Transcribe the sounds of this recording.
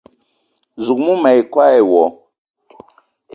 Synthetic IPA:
zu˨k̚mu˦mɛ˨jkwa˦ɛ˨wɔ˨

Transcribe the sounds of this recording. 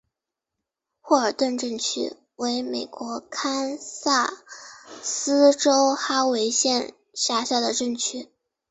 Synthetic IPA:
xwɔ˥˩ə˞˨˩t̪wə˥˧nʈ͡ʂə˥˩ŋt͡ɕʰy̰˥ | we˧˥ɪme˨˩ɪkwɔ˧˥kʰa˥nsa˥˩ | sɹ̩˥ʈ͡ʂo˥ʊxa˥we˧˥ɪɕjɛ˥˧n | ʂja˥˧ɕja˥˩d̪ə˩ʈ͡ʂə˥˩ŋt͡ɕʰy˥

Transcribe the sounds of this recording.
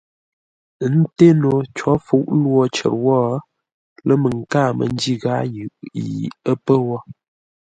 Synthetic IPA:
n̩˦te˦no˨t͡ʃɔ˨˦fu˦ʔlwɔ˦˨t͡ʃə̰˨ɾwɔ˦ | lə˦mə˨ŋ̩˨ka˦˨mə̰˨n˦d͡ʒi˦ɣa˨˦jʉ˨ʔjḭ˨ə˦pə˦wɔ˦

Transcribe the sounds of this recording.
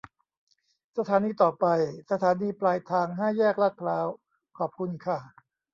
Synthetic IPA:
sa˧t̪ʰaː˩˦niː˧t̪ɔː˨˩pa˧jsa˧t̪ʰaː˩˦niː˧plaː˧jt̪ʰaː˧ŋɦaː˥˩jɛː˥˩k̚la˦˥t̪̚pʰlaː˦˥w | kʰɔː˨˩p̚kʰu˧nkʰa˥˩

